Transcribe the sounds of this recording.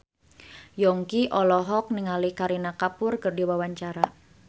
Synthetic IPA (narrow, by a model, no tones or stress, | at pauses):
jɔŋkiʔɔlɔɦɔk̚niŋalikaɾinakapʊrkərdiwawaɲt͡ʃaɾa